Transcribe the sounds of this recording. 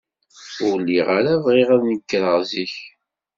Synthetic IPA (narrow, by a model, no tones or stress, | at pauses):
ʊlːiʁaɾavʁiʁaðnəkːəɾəʁziç